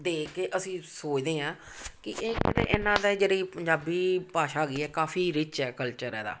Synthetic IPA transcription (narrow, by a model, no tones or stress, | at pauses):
d̪eːkːeːʔəsĩːsoːt͡ʃd̪eːãː | kɪʔeːkɪnḛ̃ːʔɪnãːd̪aːd͡ʒeːɾiːpəɲd͡ʒaːbiːpaːʃaːɡiːɛːkaːfʰiːɾɪt͡ʃɛːkəlt͡ʃəɾɛːd̪a̰ː